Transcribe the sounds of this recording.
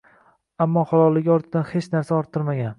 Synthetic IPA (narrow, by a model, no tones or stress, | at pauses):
amːɒχɒlˠɒlːɪɡʲɒɾt̪ʰɪd̪anhet͡ʃnaɾsaɒɾt̪ʰːɨɾmaɡʲan